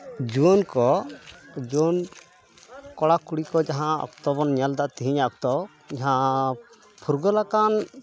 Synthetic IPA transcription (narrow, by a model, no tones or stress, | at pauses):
d͡ʒuɔnkɔ | d͡ʒuɔn | kɔɽakuɽikɔd͡ʒaɦãɔ̰kt̪ɔbɔnɲald̪aʔt̪iɦiɲaʔɔk̚t̪ɔ | d͡ʒaɦã | pʰuɾɡɔlakan